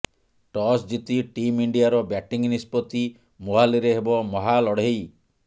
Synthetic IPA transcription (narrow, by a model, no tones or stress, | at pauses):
ʈɔsd͡ʒit̪iʈimiɳɖijaɾɔbjaʈiŋnispɔt̪i | moɦaliɾeɦebɔmɔɦalɔɽ̤ej